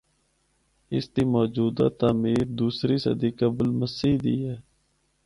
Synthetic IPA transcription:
ɪst̪iːmɔːd͡ʒuːd̪a̰ːt̪aːmiːɾd̪uːsɾiːsə̰d̪iːkəblməsiːd̪ḭːɦɛː

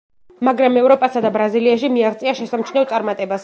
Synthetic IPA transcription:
maɡɾamɛvɾɔpʼasad̪abɾaziliaʃimiaʁt̪sʼiaʃɛsamt͡ʃʰnɛt̪sʼaɾmat̪ʼɛbas

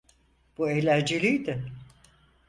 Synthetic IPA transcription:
b̥uejlʲæɾd͡ʒilʲijd̪ɪ

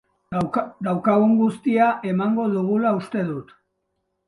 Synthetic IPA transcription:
d̪awkaɣuŋɡust̪iaʔe̞maŋɡo̞ðuɣulaust̪e̞ðut̪

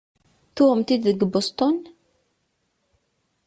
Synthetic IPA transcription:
θumt̪id̪əɡbost̪ɔn

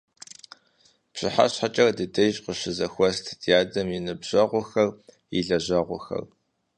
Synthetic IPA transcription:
pɕɪħa̰ɕħat͡ʃʼɐrdɨdɐjɕʼqəɕɪzɐxʷɔstʰdijaːdɐmjinɨbʑ̥ɐʁʷʊxɐr | ḭɮɐʑɐʁʷʊxɐ̰r

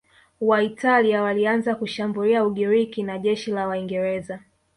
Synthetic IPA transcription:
waitaliawalianzakuʃambuliauɠiɾikinaʄɛʃilawaiŋɡɛɾɛza

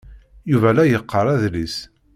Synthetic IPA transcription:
juvælæjəqʰːəɾˤæðlis

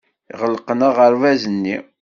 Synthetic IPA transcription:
iʁəlqənəʁəɾvæzənːi

